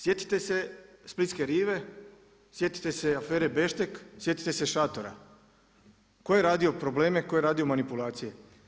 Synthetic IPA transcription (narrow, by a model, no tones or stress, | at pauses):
sje̞t̪i̥t̪e̞se̞split̪ke̞ɾiːʋe̞ | sje̞t̪i̥t̪e̞se̞afeːɾebe̞ʃt̪e̞ksje̞t̪i̥t̪e̞se̞ʃat̪oɾa̰ | ko̞jeɾaːd̪io̞pɾo̞ble̞ːmeko̞jeɾaːd̪io̞manipulˠaːt̪sije̞